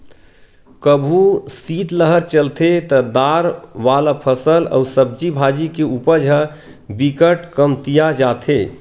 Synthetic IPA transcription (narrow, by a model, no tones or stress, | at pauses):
kəbʱusiːt̪ləɦəɾt͡ʃəlt̪ʰet̪əd̪aɾʋalapʰəsəlɔ̰usəb̚d͡ʒibʱad͡ʒikeupəɾd͡ʒʱə | bikəʈkəmt̪ijad͡ʒat̪ʰe